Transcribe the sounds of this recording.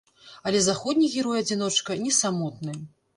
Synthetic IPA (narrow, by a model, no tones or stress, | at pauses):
ɐlʲɛzaxɔd̪ʲnʲiɣʲiɾɔjɐd͡zʲinɔt͡ʂkɐnʲɛsamɔt̪̚nɨ